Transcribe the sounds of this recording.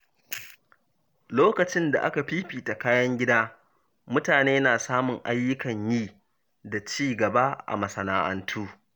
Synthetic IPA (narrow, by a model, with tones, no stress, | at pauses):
loː˦kɐ˨t͡ʃɪ˦nda̰˨ʔa̰˦ka˨ɸiː˦ɸiː˨ta˨kaː˦jɐ˦ŋɡʲɪ˦daː˦ | mʊ˦taː˨neː˦naː˨saː˦mʊ˨ŋʔa˦jːʊ˦kɐ˨ɲjiː˦ | da˨t͡ʃiː˦ɡɐ˨ba˦ʔa̰˨mɐ˨sɐ˨naː˦ʔɐ̰˦ntʰuː˦